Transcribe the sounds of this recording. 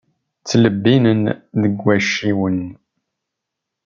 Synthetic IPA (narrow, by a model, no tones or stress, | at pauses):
t͡sːləbːinənðəɡːæʃiwən